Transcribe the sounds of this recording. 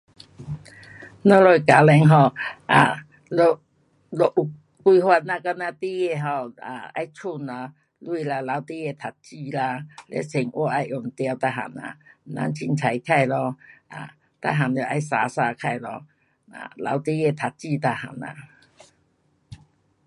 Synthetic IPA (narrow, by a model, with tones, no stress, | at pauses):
nɔ˧˦lɔ˧˨jka˨˦lɛ˧ŋɦɔ˥˧˩ʔa̰˨ | lɔ˧ | lɔ˧ʔu˨ | kwi˧hwa˧t̚nã˧ka˧nã˧t̪i˦e˧˨ɦɔ˧˨a˨˩a̰˧jt͡sʰu˥˧˨nla˧ | lwi˧la˧la˨˦wt̪i˦ɛ˧˨t̪ʰa˨˩t̚t͡ɕi˧la˧lɛ̰˧˦sʰi˨˩ŋʔwɔ˧a˧jʔɔ˨˩ŋt̪ja˧wt̪a˧ɦa̰˨˩na̰˨na̰˧˦nt͡ɕʰi˧nt͡sʰa˨˦jkʰa˥˧jlɔ˧a̰˨ | t̪a̰˧ɦa˨˩nje˧˨˩ʔa˧˦jsa˨˧˦saː˧kʰa˥˧˨jlɔ˧ | a̰˨la̰˨˧˦wt̪i˦jɛ˧t̪ʰa˨t̚t͡ɕi˥˧˨t̪a˧ha̰˨˩na̰˨